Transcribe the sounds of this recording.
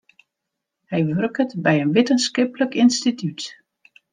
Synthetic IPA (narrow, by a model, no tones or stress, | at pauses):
hɛjʋørkətbɛjənʋɪtənskɪpləkɪnstitjyt